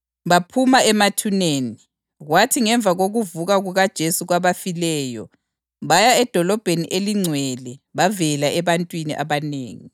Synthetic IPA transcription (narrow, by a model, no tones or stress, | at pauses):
βapʰumaɛmatʰuneːni | ɣwatʰiŋɛɱb̪vʱaɣoɣuvuɣaɣuɣad̥ʒ̥ʱesuɣwaβafilɛːjɔ̰ | βajaɛd̥ʱɔlɔb̥ʱeniʔeliŋ͡ǀʱwɛlɛβavɛlaʔɛβantʼwiniʔaβaneːŋi